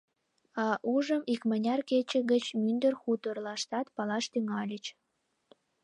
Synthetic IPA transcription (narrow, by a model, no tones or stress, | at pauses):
ɑʔuʒəmikmənʲɑrket͡ɕə̆ɣət͡ɕmynd̪ərxut̪ərlɑʃt̪ɑt̪pɑlɑʃt̪yŋɑlʲət͡ɕ